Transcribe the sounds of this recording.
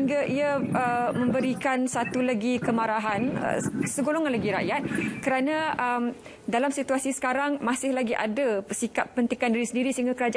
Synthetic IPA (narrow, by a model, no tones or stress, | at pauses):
iŋɡaʔiaəmə̃mbəɾikansat̪ulaɡikəmaɾaɦanə̰səɡoloŋanlaɡiɾa̰jat̪̚kəɾanãəm | dalamsit̪uasisə̥kaɾaŋmãsɪhlaɡiʔa̰dasikap̚ːənt̪ikandiɾisəndiɾisəɦiŋɡakəɾad͡ʒa